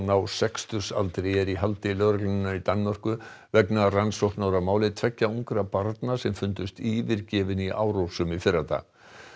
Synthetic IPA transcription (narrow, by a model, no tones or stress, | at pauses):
nawsɛkst̪ʏsa̰lt̪ɾejɛɾiɦalt̪ɪlœːɾaklnɪnait̪anːmar̥kʏ | vɛknaransowht̪naːwɾamaːwlɪt̪ʰvɛcːauŋkɾapaɾt̪nasɛmfʏnt̪ʏst̪iːvɪɾcɛːvɪniʔa̰ːwɾowsʏmifɪɾat̪a̰